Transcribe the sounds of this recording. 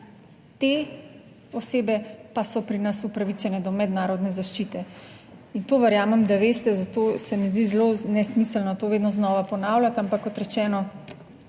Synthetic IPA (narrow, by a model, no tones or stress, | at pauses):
t̪e | ɔseːbɛpasɔpɾinasupɾaʋit͡ʃɛnɛd̪ɔmɛd̪naːɾɔd̪nɛzaʃt͡ʃiːt̪ɛ | int̪oːʋɛɾjaːmɛmd̪aʋeːst̪ɛzat̪osɛmizd̪izlonɛsmislnɔt̪oːʋeːd̪nɔznɔːʋapɔnaːwlʲjat̪ampakːɔt̪ɾɛt͡ʃɛːnɔ